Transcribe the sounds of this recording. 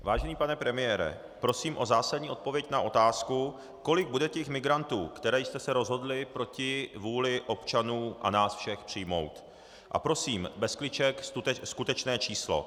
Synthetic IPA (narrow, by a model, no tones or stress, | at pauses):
vaːʒɛniːpanɛpɾɛmɪjɛːɾɛ̰ | pɾo̞siːmʔo̞zaːsadɲiːo̞t̪̚po̞vjɛcnaʔo̞t̪aːsku | ko̞lɪɡ̚budɛcɛxmɪɡɾant̪uːkt̪ɛɾɛːjst̪ɛsɛɾo̞zɦo̞dlɪpɾo̞cɪvuːlɪʔo̞pt͡ʃanuːʔa̰naːsfʃɛxpr̝̥ɪjmo̞̰wt̪ | ʔa̰pɾo̞siːmbɛsklɪt͡ʃɛksuɛskut̪ɛt͡ʃnɛːt͡ʃiːslo̞̰